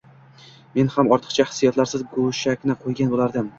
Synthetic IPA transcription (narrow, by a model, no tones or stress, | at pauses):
me̞nhamɒɾt̪ʰɨ̥qt͡ʃʰahɪ̥sːijat̪laɾsɪzɡoʃakʲnɪqʰojɡʲanbolaɾd̪ɪm